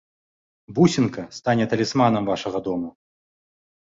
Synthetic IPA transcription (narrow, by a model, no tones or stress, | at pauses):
busʲinkɐst̪anʲɛt̪ɐlʲismanɐmvaʂɐɣɐd̪ɔmu